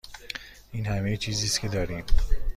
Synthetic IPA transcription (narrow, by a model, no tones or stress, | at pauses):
iːnhamejt͡ʃʰiːziːskʰʲed̪ɒːɾiːm